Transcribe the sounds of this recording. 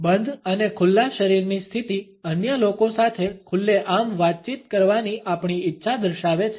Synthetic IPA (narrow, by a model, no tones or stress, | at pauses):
bənd̪ʱənekʰʊlːaʃəɾiɾnist̪ʰit̪i | ənjəlokõsat̪ʰekʰʊlːeʔamʋat̪̚t͡ʃit̪kəɾʋaniʔapɳiitːʃʰad̪əɾʃaʋet͡ʃʰ